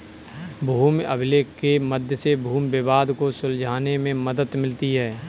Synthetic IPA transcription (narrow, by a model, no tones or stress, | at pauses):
bʱuːmə̰bɪleːkkeməd̪ʱjəsebʱuːmʋɪbaːd̪kosʊld͡ʒʱaːnemẽməd̪ət̪mɪlt̪iɦɛː